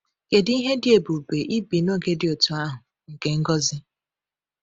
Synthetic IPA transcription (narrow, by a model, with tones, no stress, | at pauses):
ke˨di˦ɦe˦dɪ˦e˨bu˨be˨ʔi˦bi˨no˦ɡe˦dɪ˨o˨tu˨a˦ɦʊ˨ | ŋ̩˨ke˨ŋ̩˦ɡɔ˦zɪ˦